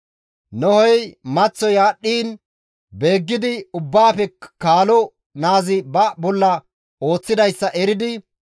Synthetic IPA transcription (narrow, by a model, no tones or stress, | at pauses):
nɔhɔjmɐt͡sːɔjaːɗːiːn | be̞ːɡːɪd̪ɪʊbːaːpɛkaːlɔ | naːzɪbɐbɔlːɐ | o̞ːt͡sːɪd̪ɐjsːɐʔɛɾɪd̪ɪ